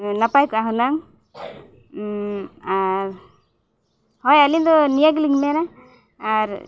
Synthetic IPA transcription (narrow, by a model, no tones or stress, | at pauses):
napajkɔaɦunaŋ | aɾ | hɔjalind̪ɔnijaɡliŋmɛnaː | ɾ